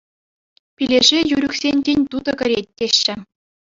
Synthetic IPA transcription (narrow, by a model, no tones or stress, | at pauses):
pʲilʲeʐejyɾʲyksʲenʲtʲenʲt̪ud̪ɤ̆kʲɘ̆ɾʲet̚ʲːeɕːɘ̆